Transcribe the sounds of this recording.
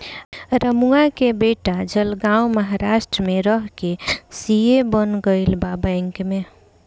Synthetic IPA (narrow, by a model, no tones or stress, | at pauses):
ɾəmuakebeʈad͡ʒəlɡawməɦaɾasʈɾəmeɾəɦkesijebənɡəɪlbabəɪŋkme